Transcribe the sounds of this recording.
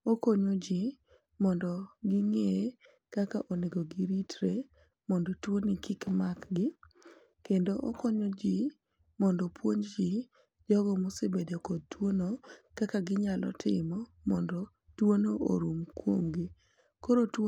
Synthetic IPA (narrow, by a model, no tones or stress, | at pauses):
okoɲod͡ʒi | mɔndɔɡɪŋe | kakaʔoneɡoɡiɾitʰɾe | mɔndɔtwonikɪkmakɡɪ | kendoʔokoɲod͡ʒi | mɔndɔpwoɲd͡ʒi | d͡ʒɔɡɔmosebedeokɔd̚twonokakaɡɪɲalɔ̰tʰɪ̰mɔ | mɔndɔ | twonoʔo̰ɾumkwo̰ŋɡi | koɾoto